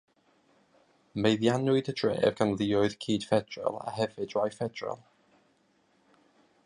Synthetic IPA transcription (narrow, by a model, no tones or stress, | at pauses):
mejðjanʊɨdəd̥ɹḛːvɡ̥anlˠɪɔɨð̥kʰiːd̥fɛd̥rɛ̰lˠa̰ɦɛvɨdrajfɛdɹɔ̰lˠ